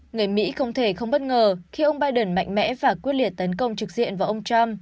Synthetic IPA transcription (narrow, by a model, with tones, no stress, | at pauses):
ŋɨ˨˩əjmḭ˧˥xə˧wŋ͡mt̪ʰe˧˩xə˧wŋ͡mɓə˦˥t̚ŋəː˨˩xi˧ʔə˧wŋ͡mɓaː˧jɗə˨˩nma̰˧˨jŋ̟mɛ̰˧˥vaː˨˩kwi˦˥əli˧˩ət̚t̪ə˨˦nkə˧wŋ͡mt͡ɕɨ˨˩k̚zḭ˧˨ənvaː˨˩ʔə˧wŋ͡mt͡ɕa˧m